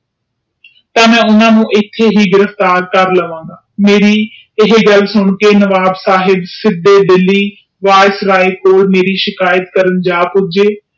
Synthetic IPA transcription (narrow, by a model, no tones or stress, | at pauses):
t̪ãːmɛ̃ːʊnãːnũːʔɪt̪ʰːeːɦiːɡɪɾəft̪aːɾkəɾləʋãːɡaːmeːɾiː | ɪɦeɡəlsʊɳkeːnəʋaːbsaːɦɪbsɪd̪eːɖɪlːiː | ʋaːsɾaːeːkoːlmeːɾiːʃɪkaːjət̪kəɾənd͡ʒaːbʊd͡ʒeː